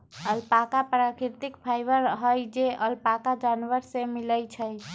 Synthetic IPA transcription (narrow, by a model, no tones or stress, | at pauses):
əlpakapɾakiɾt̪ikpʰajʋəɾɦəjd͡ʒeʔəlpakad͡ʒanʋəɾsemiləjt͡ʃʰəj